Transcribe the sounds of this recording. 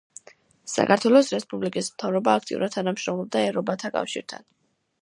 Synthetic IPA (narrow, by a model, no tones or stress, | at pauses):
sa̰kʰaɾt̪ʰwɛlˠɔsɾɛspʼublikʼismt̪ʰavɾɔbaːkʰt̪ʼḭṵɾad̪t̪ʰanamʃɾɔmlɔb̚d̪aɛɾɔbat̪ʰakʼa̰fʃḭɾt̪ʰa̰n